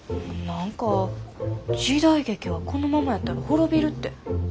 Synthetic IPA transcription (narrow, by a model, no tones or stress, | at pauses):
nãŋka | d͡ʑid̪aiɡe̞kʲiβakʰo̞no̞mamajat̪ːaɾaho̞ɾo̞bʲiɾɯ̟t̪ːe̞